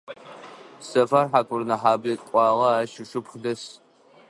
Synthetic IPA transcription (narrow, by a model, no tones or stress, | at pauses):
sɐfarħakʷʰʊrnɐħaːbɐtʼkʷʼɑːʁɐaːʃɪʃʊpχdɐs